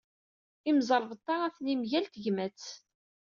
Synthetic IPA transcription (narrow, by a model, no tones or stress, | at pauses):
imzˤəɾˤvət̪ˤːɑʁæθnimʝælt̪əʝmæt͡s